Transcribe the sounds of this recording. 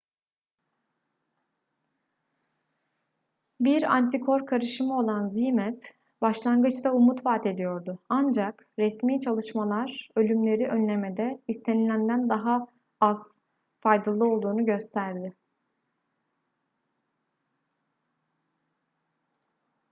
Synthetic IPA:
biɾa̰nt̪ʰikʰo̞ɾkʰaɾɯʃɯmɯo̞lˠanzimɛp | baʃlˠaŋɡɯt͡ʃd̪aumut̪vaːt̪ʰe̞d̪ijo̞ɾd̪ʊand͡ʒak | ɾɛsmiːt͡ʃʰalˠɯʃmalˠaɾ̥ø̞lʲymlʲe̞ɾiʔø̞nlʲe̞med̪ɛist̪ʰe̞nilʲænd̪ænd̪aɦa | az̥ | fajd̪alˠɯo̞lˠd̪uːnuɟø̞st̪ʰæɾd̪ɪ

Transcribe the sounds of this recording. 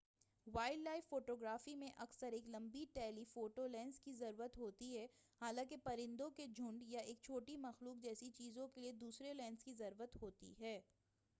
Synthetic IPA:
waːɪɖlaːɪfːoːʈoːɡɾaːfimẽʔɐksəɾeːklɐ̃mbiʈɛːlifoːʈolɛ̃ːnskizɐɾuːɾət̪ɦoːt̪iɦɛː | haːlãːkepɐɾɪ̃nd̪õked͡ʒʱʊ̃ɳɖjaeːk̚t͡ʃʰoːʈimɐxluːk̚d͡ʒɛːsit͡ʃiːzõkelied̪uːsɾelɛ̃ːnskizɐɾuːɾət̪ɦoːt̪ḭɦɛː

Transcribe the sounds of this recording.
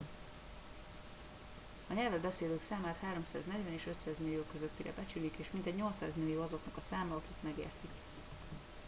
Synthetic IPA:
ɒɲɛlvɛd̪bɛseːd̪øːksaːmaːt̪haːɾo̞msaːznɛɟvɛneːʃø̞t̪saːzmilːijoːkøzøt̪ːiɾɛ̰bɛt͡ʃylikeːʃmint̪ɛɟɲo̞lt̪saːzmilːijoːɒzo̞knɒkɒsaːmɒɒkikmɛɡḛːrt̪ik

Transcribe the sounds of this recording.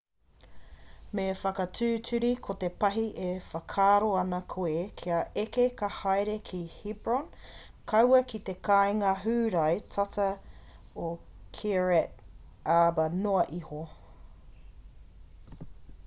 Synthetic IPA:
mefɐkɐtʰʉːtʰʉɾikʰot̪epɐɦiʔefɐkʰaːɾoɐnɐkʰuekʰiɐʔekekɐhajɾekʰihibɹon | kʰɐwɐkit̪ekʰajŋɐɦʉːɾɐjtʰɐtɐ | o | kʰiɹɛt | aːbɐnoɐʔiho

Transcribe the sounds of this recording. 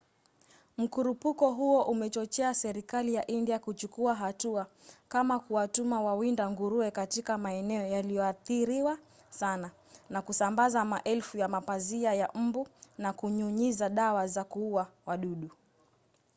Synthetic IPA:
m̩kuɾupukɔɦuɔʔumɛt͡ʃɔt͡ʃɛasɛɾikalijaʔindiakut͡ʃukuaɦatua | kamakuwatumawawindaŋɡuɾuɛkatikamaɛnɛɔjalijɔaθiɾiwa | sana | nakusambazamaʔɛlfujamapaziajam̩bunakuɲuɲizaɗawazakuuawaɗuɗu

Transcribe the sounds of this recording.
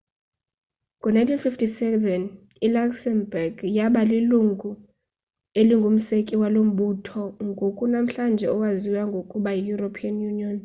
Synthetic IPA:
ŋɡʱɔnajntʰinfiftʰisɛvɛn | ilaksɛmbɛrɡjaɓaliluŋɡʱu | eliŋɡʱum̩sekʼiwalom̩ɓutʰɔŋɡʱokʼunam̩ɬand͡ʒʱɛɔwaziwaŋɡʱokʼuɓajijuɾopʰianjuniɔn

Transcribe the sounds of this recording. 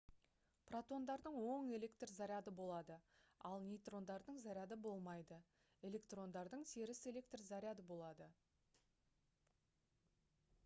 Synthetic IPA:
prat̪o̞nd̪ɑɾd̪əɴwo̞ɴe̞le̞kt̪rzaɾʲjad̪əbo̞lˠɑd̪əɑlˠnʲejt̪ro̞nd̪ɑɾd̪əɴzaɾʲjad̪əbo̞lˠmɑjd̪ə | e̞le̞kt̪ro̞nd̪ɑɾd̪əɴse̞ɾɪse̞le̞kt̪rzaɾʲɪjad̪əbo̞lˠɑd̪ə

